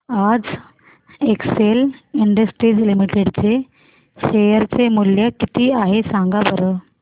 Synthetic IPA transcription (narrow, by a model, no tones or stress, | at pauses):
ad͡z | ekseliɳɖəsʈɾiːd͡zlimiʈeɽt͡se | ɕejəɾt͡semuljəkit̪iːaɦesãŋɡabəɾə